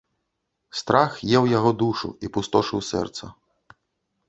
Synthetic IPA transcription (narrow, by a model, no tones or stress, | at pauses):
st̪ɾaxjɛwjaɣɔd̪uʂṵipust̪ɔʂɨwsɛ̰rt̪sɐ